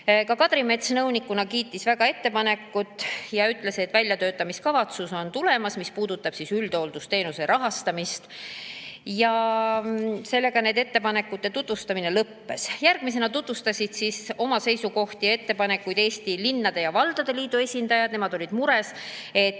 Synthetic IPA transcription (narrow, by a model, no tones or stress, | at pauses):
kɑkɑd̪ɾime̞t̪snɤwnikːˑunɑkiːt̪ːisvæɡ̥ɑe̞t̪ːe̞pɑne̞kːˑut̪ːˑjɑyt̪ːˑle̞se̞t̪ːˑvælʲjɑt̪ø̞ːt̪ːˑɑmiskɑvɑt̪suso̞nt̪ule̞mɑsmispuːd̪̥ut̪ːˑɑb̥sisyld̪̥o̞ld̪̥ust̪e̞ːnuse̞ɾɑɦɑst̪ɑmist̪ | jɑ | se̞lːe̞ɡ̥ɑne̞d̪e̞t̪ːe̞pɑne̞kːˑut̪ːe̞t̪ut̪vust̪ɑmine̞lɤpːe̞sjærɡ̥mise̞nɑt̪ut̪vust̪ɑsʲid̪̥siso̞mɑse̞jsuko̞ht̪ie̞t̪ːe̞pɑne̞kːˑujd̪e̞ːst̪ilinːɑd̪e̞jɑvɑld̪̥ɑd̪e̞liːd̪ue̞sʲind̪ɑjɑd̪ne̞mɑd̪̥o̞lʲid̪muɾe̞s | e̞t̪ː